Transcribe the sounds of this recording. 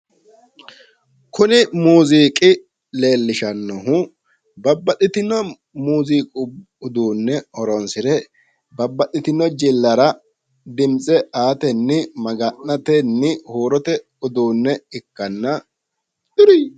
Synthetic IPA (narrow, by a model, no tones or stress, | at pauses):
kʊnɪmuːziːkʼɪ | le̞ːlːɪʃɐnːɔɦʊ | bɐbːɐɗɪt̪ɪnːɔ | muːziːkʼʊ | ʊd̪uːnːɛɔɾɔnsɪɾɛ | bɐbːɐɗɪt̪ɪnːɔd͡ʒɪlːɐɾɐ | d̪ɪmt͡sʼɛʔaːt̪ɛnːɪmɐɡɐnːɐt̪ɛnːɪhuːɾɔt̪ɛ | ʊd̪uːnːɛɪkːɐnːɐ̥